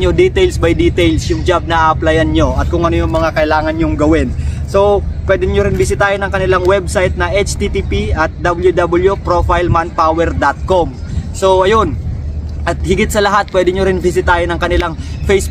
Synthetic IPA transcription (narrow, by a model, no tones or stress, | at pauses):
od̪it̪ɛjlsbɐjd̪it̪ɛjlsjʊŋd͡ʒab̚nɐʔaːʔɐplajɐnɲoʔɐt̪̚kʊŋʔɐnojʊŋmɐŋakɐʔɪlaːŋɐnɲʊŋɡɐwɪnso̞pwɛːd̪ɪɲoɾɪnbɪsɪt̪aːjonɐŋkɐnɪlaŋwɛb̚sajt̪̚nɐʔet͡ʃt̪it̪ipiɐt̪̚d̪ɐbɪljud̪ɐbɪljupɾofajlman̚pawɛɾd̪at̪̚kom | so̞ʔɐjo̞nʔɐt̪̚hɪɡɪt̪̚sɐlɐɦat̪̚pwɛːd̪ɪɲoɾɪnbɪs̬ɪt̪aːjonɐŋkɐnɪlaŋfejs